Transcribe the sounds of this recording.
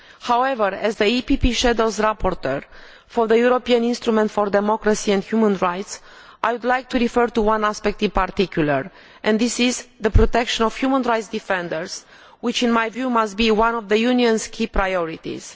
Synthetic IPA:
hawɛvəɹɛzðəipipiʃɛd̪owzɹapoɾt̪əɹ | fɔɾðəjuɾopiãnĩnst̪ɾumɛ̃nt̪fɔɾd̪ɛmɔkɾasiɛ̃nd̪hjumə̃nɹajt̪s | ʔajwud̪lajk̚t̪uɾifəɾt̪uwãnaspɛk̚t̪ĩnpaɾt̪ikjuləɹ | ʔɛ̃ndisizðəpɾot̪ɛkʃə̃nɔv̥hjumə̃nɹajt̪sd̪ifɛ̃nd̪əɹz̥ | wit͡ʃĩnmajvjumast̪̚biwãnɔvðəjuniɔ̃nskʰipɾajɔɹit̪ḭz̥

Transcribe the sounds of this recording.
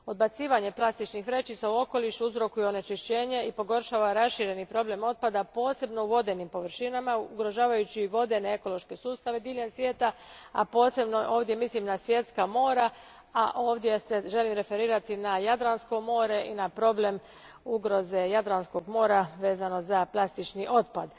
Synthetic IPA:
o̞d̪̚bat̪siːʋaɲe̞plˠast̪it͡ʃnixʋɾe̞t͡ʃisauo̞ko̞liʃuuzɾo̞kujeo̞ne̞t͡ʃiʃt͡ɕe̞ːɲe̞ipo̞ɡo̞ɾʃaːʋaɾasʃiɾe̞nipɾo̞ble̞mo̞t̪̚pad̪apo̞ːse̞bno̞uʋo̞d̪e̞nimpo̞ʋr̩ʃinamauɡɾo̞ʒaːʋajut͡ɕiʋo̞d̪e̞ne̞e̞ko̞lo̞ʃke̞suːst̪aʋe̞d̪iːʎensʋje̞ːt̪aa̰po̞ːse̞bnoʔo̞ːʋd̪je̞mislimnasʋje̞t̪skamo̞ːɾa | aʔo̞ːʋd̪je̞se̞ʒe̞limɾe̞fe̞ɾiːɾat̪inajad̪ɾansko̞mo̞ːɾe̞ʔinapɾo̞ble̞m | uɡɾo̞ze̞jad̪ɾansko̞ɡmo̞ːɾaʋe̞ːzano̞zaplˠast̪it͡ʃniʔo̞t̪pad̪

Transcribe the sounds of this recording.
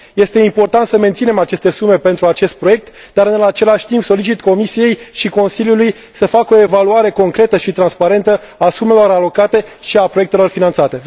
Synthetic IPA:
je̞st̪eimpo̞rt̪ant̪səme̞nt̪sine̞mat͡ʃe̞st̪e̞sume̞pe̞nt̪ɾuat͡ʃe̞st̪̚pɾo̞je̞k̚t̪ | d̪aɾɨnnat͡ʃe̞laʃʲt̪impso̞lit͡ʃit̪ko̞misije̞jʃiko̞nsiljuluj | səfakoe̞valuaɾe̞ko̞ŋkɾe̞t̪əʃit̪ɾanspaɾe̞nt̪ə | asume̞lo̞ɾalo̞kat̪e̞ʃiapɾoje̞k̚t̪e̞lo̞rfinant̪sat̪e̞

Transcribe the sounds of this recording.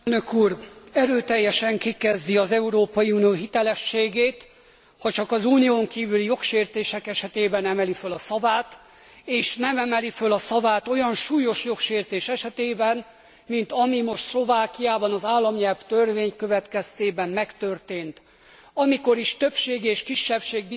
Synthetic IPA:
nøkuːrɛɾøːt̪ɛjːɛʃɛŋkikɛzd̪iɒzɛuɾoːpɒjiuːnijoːɦit̪ɛlɛʃːeːɡeːt̪ | hɒt͡ʃɒkɒzuːnijoːŋkiːvylijo̞kʃeːrt̪eːʃɛkɛʃɛt̪eːbɛnɛmɛlifølɒsɒvaːt̪ | eːʃnɛmɛmɛlifølɒsɒvaːt̪o̞jɒnʃuːjo̞ʃjo̞kʃeːrt̪eːʃɛʃɛt̪eːbɛn | mint̪ɒmimo̞ʃt̪slo̞vaːkijaːbɒnɒzaːlːɒmɲɛlvt̪ørveːɲkø̞vɛt̪kɛst̪eːbɛmmɛkt̪ø̞rt̪eːnt̪ | ɒmiko̞ɾiʃt̪øpʃeːɡeːʃkiʃːɛfʃeːɡ̚bi

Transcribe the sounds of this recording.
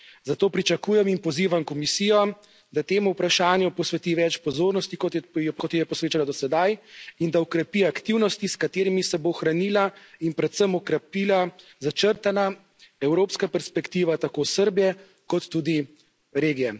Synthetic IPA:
zat̪oːpɾit͡ʃakuːjɛminpɔziːʋamkɔmisiːjɔ | d̪at̪eːmuwpɾaʃaːnjupɔsʋɛt̪iʋɛt͡ʃpɔzoːɾnɔst̪ikɔt̪jɛjkʰɔt̪jɛjɛpɔsʋeːt͡ʃalad̪ɔsɛd̪ajind̪aɔkɾɛpiakt̪iwnɔst̪iskat̪eːɾimisɛboxɾanilainpɾɛt̪səmɔkɾɛpiːla | zat͡ʃəɾt̪ana | ɛwɾoːpskapɛɾspɛkt̪iːʋat̪akoːsəɾbijɛ | kɔt̪ːud̪i | ɾeːɡijɛ

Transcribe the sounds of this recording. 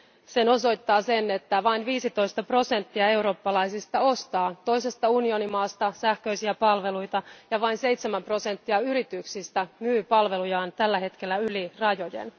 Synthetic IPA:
se̞no̞so̞jt̪ːɑːse̞ne̞t̪ːæʋɑinʋiːsit̪o̞jst̪ɑpro̞se̞nt̪ːiɑe̞uɾo̞ːpːɑlɑjsist̪ɑo̞st̪ɑːt̪o̞jse̞st̪ɑunio̞nimɑːst̪ɑsæhkø̞isiæpɑlʋe̞lujt̪ɑjɑʋɑinse̞jt̪semæmpro̞se̞nt̪ːiɑyɾit̪yksist̪æmyːpɑlʋe̞lujɑːnt̪ælːæɦe̞t̪k̟e̞lːæylirɑjo̞jḛn

